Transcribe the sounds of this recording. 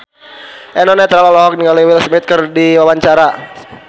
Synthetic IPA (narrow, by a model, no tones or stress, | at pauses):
ʔɛnɔnɛt̪ɾalɔlɔɦɔk̚niŋalajwilsmɛt̪̚kərdiwawaɲt͡ʃaɾa